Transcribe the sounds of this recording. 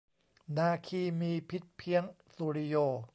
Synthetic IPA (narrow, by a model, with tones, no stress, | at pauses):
naː˧kʰiː˧miː˧pʰi˦˥t̪̚pʰi˦˥əŋ | suː˧ɾi˧joː˧